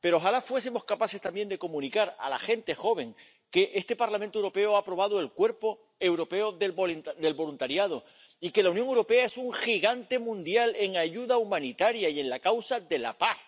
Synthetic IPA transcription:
pe̞ɾoxalafwe̞s̬emo̞skapase̞st̪ambje̞nd̪e̞ko̞mũnikaɾa̰la̰xe̞nt̪e̞xo̞β̞e̞ŋ | ke̞ʔe̞st̪e̞paɾlamẽnt̪owɾo̞pe̞oapɾo̞β̞að̞oe̞lkwe̞ɾpo̞ | e̞wɾo̞pe̞oðeoðe̞lβo̞lunt̪aɾjað̞o̞ | ike̞launjoŋe̞wɾo̞pe̞ae̞suŋxiɣant̪e̞mũnd̪jale̞ŋaʝuðaumãnit̪aɾjaie̞nlakawsaðe̞la̰paθ

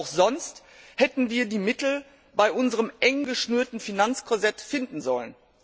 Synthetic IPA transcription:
ʊxz̥ɔnst | hɛtn̩viːɐdiːmɪtl̩ | baɪʔʊnzəʁəmʔɛŋɡəʃnyːɐtn̩finant͡skozɛtfɪndn̩zɔlən

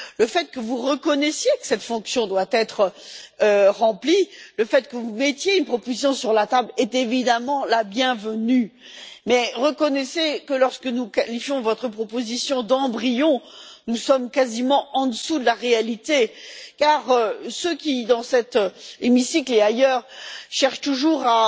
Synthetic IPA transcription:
ləfɛt̪̚kəvuʁəkɔnɛsjekə̥sɛt̪fɔ̃ksjɔ̃d̪wat̪ɛt̪χə | ʁɑ̃pliləfɛt̪kəvumɛt̪jeynpχɔpozis̬jɔ̃syʁlat̪ablɛt̪evid̪amɑ̃labjɛ̃vəny | mɛʁəkɔnɛsekəlɔʁskənukalifjɔ̃vɔt̪χəpχɔpozisjɔ̃d̪ɑ̃bʁijɔ̃nusɔmkazimɑ̃ɑ̃d̪əsud̪əlaʁealit̪ekaʁøsøkʲid̪ɑ̃sɛt̪emisikleajœʁʃɛʁʃt̪uʒuʁa

